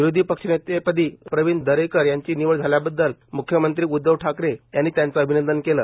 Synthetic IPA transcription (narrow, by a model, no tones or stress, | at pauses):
ʋiɾod̪ʱiːpəkʂənet̪epəd̪iːpɾəʋind̪əɾekəɾjaɲt͡ɕiːniʋəɭd͡zʱaljabəd̪ːəlmukʰjəmənt̪ɾiːud̪ːəʋʈʰakɾejanːiːt̪jant͡saəbʱinənd̪ənkeləː